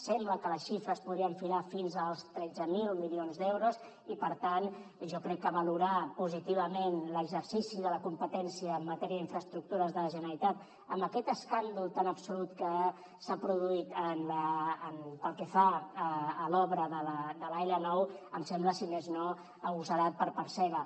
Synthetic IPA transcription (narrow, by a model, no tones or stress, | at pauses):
sɛmbləkələsʃifɾəspuðɾiəɱfilafinzəlˠst̪ɾɛd͡zəmilmilionzd̪ewɾuz | ipəɾt̪anʒɔkɾɛkːəβəluɾapuzit̪iβ̞əmenləɡzəɾsisiðələkumpət̪ɛnsiəːmːət̪ɛɾiəðiɱfɾəst̪ɾuk̚t̪uɾəzðələʒənəɾit̪at̪ | əmbəkɛt̪əskand̪ulˠt̪anəpsulut̪kə | sapɾuðuit̪ənləːnpəlˠkɛfaəːlɔβɾəðələd̪əlajlənɔwəmsɛmbləsimezno | əɣusəɾat̪̚pəɾpəɾsɛɣə